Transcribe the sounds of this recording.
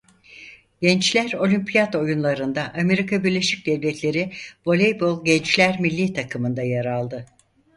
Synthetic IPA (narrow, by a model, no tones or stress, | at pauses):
ɟɛnt͡ʃlʲæɾo̞lʲympʰijat̪o̞junlˠaɾɯnd̪aʔːme̞ɾikʰabiɾlʲe̞ʃic̚d̪ɛvlʲɛt̪ʰlʲe̞ɾibo̞lʲejbolˠɟɛnt͡ʃlʲæɾmilʲːit̪ʰakʰɯmɯnd̪ajaɾalˠd̪ɯ